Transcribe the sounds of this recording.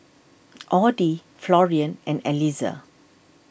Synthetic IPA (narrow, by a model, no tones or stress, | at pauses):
ʔɔdi | flɔɹiə̃nʔɛ̃nɛliza̰